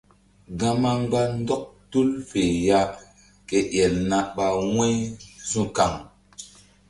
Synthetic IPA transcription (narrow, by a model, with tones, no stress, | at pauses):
ɡã˦ma˦ŋɡ͡ba˦n˦dɔ˦k̚tu˦lfe˨ja˦ | ke˨ʔjɛ˨lna˨ɓa˨wɛ̃˦jzũ˦ka˨ŋ